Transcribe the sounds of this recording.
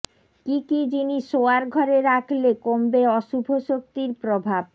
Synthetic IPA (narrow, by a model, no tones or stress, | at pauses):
kikid͡ʑiniʃoaɾɡʱɔɾeɾakʰlekombeɔʃubʱoʃok̚t̪iɾpɾobʱab